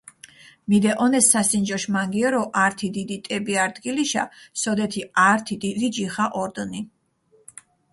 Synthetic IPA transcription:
mid̪ɛʔɔnɛsːasind͡ʒɔʃmaŋɡiɛɾɔʔaɾt̪ʰid̪id̪it̪ʼɛbiaɾd̪ɡiliʃa̰sɔd̪ɛt̪ʰiaːɾt̪ʰid̪ilid͡ʒiχaʔɔɾd̪ni

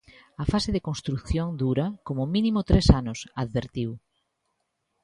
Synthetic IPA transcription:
ɐfaseðɪkonst̪ɾuθjoŋd̪uɾɐkomʊminimʊt̪ɾesanʊsaðβeɾt̪iw

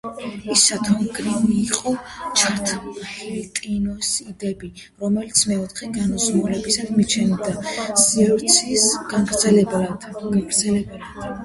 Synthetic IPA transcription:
isat̪ʰɔmɡɾimiːqʼɔt͡ʃʰaɾt̪ʰχɛlit̪ʼinɔsid̪ɛbi | ɾɔmɛlit̪sʰmɛɔt̪χɛɡanɔzmulɛbisad̪mit͡ʃʰɛnid̪asiɔɾt̪sʰisɡ̥anɡɾd̪zɛlɛb̪ɡaɡɾd̪zɛlɛbɛl

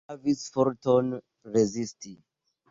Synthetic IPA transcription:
avisfɔɾtɔn | ɹezistʰi

